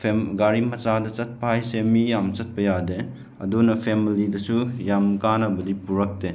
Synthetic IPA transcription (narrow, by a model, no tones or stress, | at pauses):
pʰeɡaɾimɐt͡ʃadɐt͡ʃɐt̚pɐhajsemijamt͡ʃɐt̚pɐjade | ɐ̰dunɐpʰemilidɐsujamkanɐbɐdipuɾɐk̚te